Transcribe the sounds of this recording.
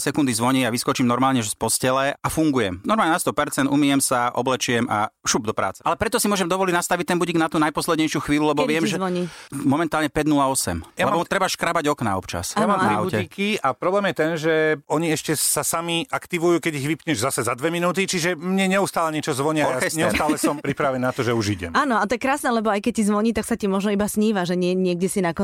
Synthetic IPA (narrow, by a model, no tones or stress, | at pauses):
sɛkund̪izʋɔɲiaʋiskɔt͡ʃimnɔɾmaːlɲɛʒspɔscɛlɛafuŋɡujɛmnɔɾmaːlɲɛnast̪ɔpɛɾt͡sɛnd̪umijɛmsaʔɔ̰blɛt͡ʃujɛma̰ʃuːb̚d̪ɔpɾa̰ːt͡sɛ̥ʔalɛpɾɛt̪ɔsimʊɔʒɛmd̪ɔʋɔliɟnast̪aʋic̚t̪ɛnbuɟiɡnat̪uːnajpɔslɛd̪ɲɛjʃɪuxʋiːlulɛbɔʋɪɛmʒɛɔɲimɔmɛnt̪aːlɲɛpɛɟnulaɔsɛ̰mlɛbɔmut̪ɾɛbaʃkɾabaɟɔkna̰ɔpt͡ʃa̰sjamamɾiaɛikiapɾɔblɛːmjɛt̪ɛnʒɛɔɲiɛʃcɛsasamiʔakt̪iʋujuːkɛɟiɣʋipɲɛʒzasɛzad̪ʋɛminuːt̪it͡ʃiʒɛmɲɛɲɛust̪aːlɛɲɪɛt͡ʃɔzʋɔɲiaɔlkɛsɲɛust̪aːlɛsɔmpɾipɾaʋɛnnat̪ɔʒɛuʒiɟɛ̰maːnɔat̪ɔjɛkɾaːsnɛlɛbɔajkɛc̚sizʋɔɲiːt̪aksacimɔʒnɔibasɲiːʋaʒɛɲɪɛɲɪɛɡ̚ɟɛsinakɔ